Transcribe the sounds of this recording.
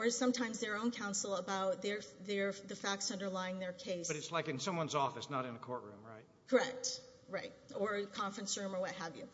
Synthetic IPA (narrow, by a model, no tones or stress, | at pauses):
ə˞ɨ̥sʌ̃mtʰãɪ̃mzðə˞õʊ̃nkʰãʊ̃nsl̩ˠəbaʊt̪̚ðə˞ðə˞ðɨfæk̚tsʌ̃ndə˞laɪɪ̃ŋðə˞kʰeɪsb̥ʌɾɨtslaɪkɨ̃nsʌ̃mwʌ̃nzɔfɨsnəɾɨ̃nəkʰɔɹʔɹʉ̰̃mɹaɪt̚kʰə˞ɛk̚t | ɹaɪt̚ə˞kʰɑ̃ɱfɹɨ̃nsɹʉ̃mə˞wʌt̚ɦəvjʉ̰